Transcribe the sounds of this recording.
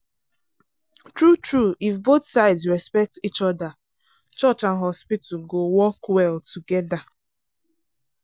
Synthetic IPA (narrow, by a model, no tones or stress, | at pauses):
tɹutɹuifboθsaɪdsɹɛspɛk̚tit͡ʃɔda | t͡ʃɔt͡ʃãnɦɔspitʰɡowɔkwɛltʰuɡɛda